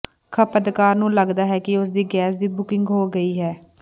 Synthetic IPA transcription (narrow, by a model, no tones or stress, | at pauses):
kʰəpəd̪kaːɾnũːləɡd̪aːɦɛːkɪʊs̬d̪iːɡɛːs̬d̪iːbʊkɪŋɡɦoːɡəiːɦɛː